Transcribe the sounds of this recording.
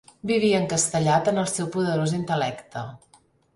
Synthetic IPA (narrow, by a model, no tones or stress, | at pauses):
biβ̞iəːŋkəst̪əʎat̪ənəlˠsewpuðəɾozint̪əlɛkt̪ə